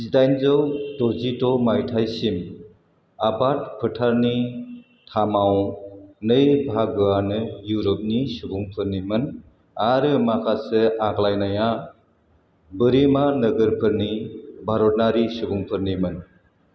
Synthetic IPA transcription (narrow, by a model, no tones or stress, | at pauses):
idajnzɯwdɔzitɔmajtʰajsim | abat̚pʰɯtʰaɾni | tʰamawnɯjbʱaɡɯanɯjuɾɔp̚nisuɡuŋpʰɯɾnimɯn | aɾɯmakʰasɯaklajnaja | bɯɾimanɯɡɯɾpʰɯɾnibʱaɾɔt̚naɾisuɡuŋpʰɯɾnimɯn